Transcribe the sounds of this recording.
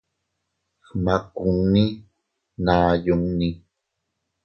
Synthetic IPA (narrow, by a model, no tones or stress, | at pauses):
hmakʊŋni | naːjʊŋni